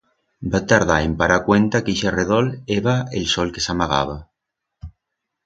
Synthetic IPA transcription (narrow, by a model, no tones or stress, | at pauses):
bat̪aɾðaempaɾakwent̪akiʃereð̞oleβaelsɔlkesamaɣ̞a̰β̞a